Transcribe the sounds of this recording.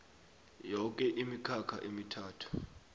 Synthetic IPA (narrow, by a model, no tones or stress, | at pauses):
jɔk̬ʼɛʔimikʰakʰa̰ʔemitʰaːtʰu̥